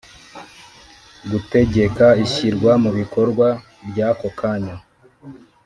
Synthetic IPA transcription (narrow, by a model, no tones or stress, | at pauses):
ɡute̞ɟe̞kaiçiɾɡwamuβiko̞ɾɡwa | bɟakokaɲa